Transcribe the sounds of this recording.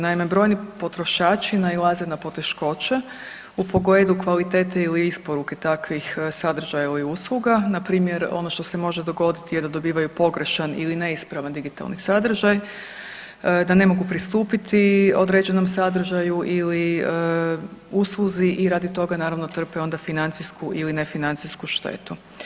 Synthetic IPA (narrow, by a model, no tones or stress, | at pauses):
naime̞bɾo̞jnipo̞t̪ɾo̞ʃaːt͡ʃinailˠazenapo̞t̪e̞ʃko̞t͡ɕa | upo̞ɡed̪ukʋalit̪e̞ːt̪eiliispo̞ɾuke̞t̪akʋixsad̪r̩ʒajailiuslˠuɡanapɾiːmje̞ɾo̞̰no̞ʃt̪osemo̞ʒe̞d̪o̞ɡo̞d̪it̪ije̞d̪ad̪o̞biːʋajupo̞ɡɾe̞ʃanḭline̞ispɾaʋand̪iɡit̪a̰lnisad̪r̩ʒaj | d̪ane̞mo̞ɡupɾist̪uːpit̪io̞d̪ɾed͡ʑe̞no̞msad̪r̩ʒajuʔiliə | usluziʔiɾaːd̪it̪o̞ɡanaːɾaʋno̞t̪r̩peo̞nd̪afinant̪siskuʔilinefinant̪siskuʃt̪ḛt̪u